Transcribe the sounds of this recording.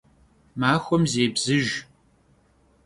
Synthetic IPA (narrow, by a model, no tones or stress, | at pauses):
maːxʷɔmzeːbz̥ɨʒ